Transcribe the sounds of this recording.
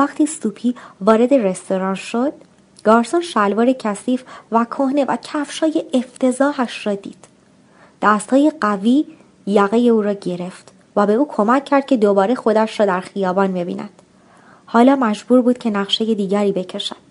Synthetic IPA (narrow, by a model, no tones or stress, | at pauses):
æχt̪ʰiːsuːpʰiːvɒːɾe̞d̪e̞re̞st̪o̞ɾɒːnʃo̞d̪̥̚ | ɡ̥ɒːɾsonʃælvɒːɾe̞cʰæsiːfvækʰohne̞væ̰cʰæfʃɒːje̞ʔeft̪ʰe̞zɒːɦæʃrɒːd̪ḭːd̪̥ | d̪̥æst̪hɒːje̞ɢæviː | jæɣeje̞uːɾɒːɟe̞ɾe̞ft̪ | væbe̞uːkʰo̞mæcʰːæɾd̪̥̚cʰe̞d̪obɒːɾe̞xo̞d̪æʃɾɒːd̪æɾxijɒːbɒːnbe̞bḭːnʔæ̰d̪̥ | hɒːlɒːmæd͡ʒbuːɾbuːd̪̚cʰe̞næʁʃe̞je̞d̪iːɟæɾiːbe̞cʰe̞ʃæd̪̥